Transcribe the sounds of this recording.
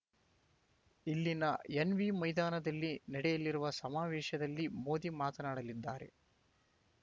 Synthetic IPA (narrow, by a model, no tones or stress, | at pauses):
ilːinɐjenʋimɐjd̪aːnɐd̪ɐlːinɐɽɛjɐlːiɾuʋɐsɐmaːʋɛːʃɐd̪ɐlːimo̞ːd̪imaːt̪ɐnaːɽɐlid̪ːaːɾe̞̰